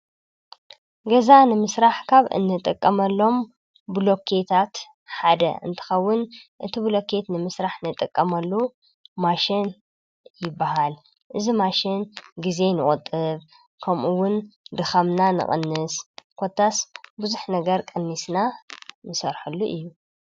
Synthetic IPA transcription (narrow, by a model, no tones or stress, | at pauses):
ɡɐzanɨmɨsɾaħkʰaβɨ̰nːɨt̪ʼɨkʼːɐmɐlːo̞m | blo̞kʰːe̞t̪ʰat̪ | ħad̪ɐ̰ɨ̰nt̪ʰɨ̥xɐwːʊnʔɨt̪ʰiblo̞kʰe̞t̪nɨmɨsɾaħnɨt̪ʼːɨkʼːɐmɐlːu | maʃɪn | jɪbːaɦal | ʔɨzimaʃɪnɡize̞nɨkʼut̪ʼːɨβ | kʰɐmʔuwːʊnd̪ɨxɐmnanɨ̰χʼɨ̰nːɨskʰo̞t̪ʰːasbuzuħnɐɡɐɾkʼɨnːisnanɨsɐɾħulːuʔɨjːu